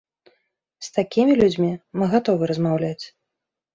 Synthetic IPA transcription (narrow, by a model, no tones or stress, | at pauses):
st̪akʲimʲilʲud͡zʲmʲimɨɣat̪ɔvɨɾɐzmawlʲat͡sʲ